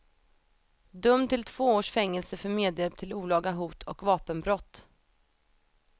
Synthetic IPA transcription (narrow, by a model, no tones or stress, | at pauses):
d̪ɵmt̪ʰɪlt̪ʰv̥oːoːʂfɛŋːɛlsəfœɾmeːd̪jɛb̚t̪ʰɪluːlɑːɡaɦuːt̪ʰɔkvɑːpənbɾɔt̪ː